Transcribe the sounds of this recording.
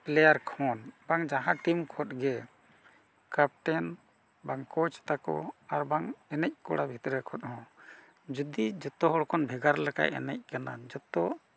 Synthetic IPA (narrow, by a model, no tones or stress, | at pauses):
plɛjaɾkʰɔnbaŋd͡ʒaɦãʈimkʰɔt̪̚ɡɛ | kap̚ʈɛn | baŋkɔt͡ʃt̪akɔ̰aɾbaŋɛnɛc̚ˀkɔ̰ɽabʱit̪ɾɛkʰɔt̪̚hɔ̃ | d͡ʒud̪id͡ʒɔt̪ɔɦɔɽkʰɔnbʱɛɡaɾlɛka̰jɛ̰nɛ̰c̚kanad͡ʒɔt̪ɔ